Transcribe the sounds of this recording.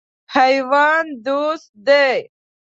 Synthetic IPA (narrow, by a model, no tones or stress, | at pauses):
hɐjwɑːnd̪ust̪̚d̪e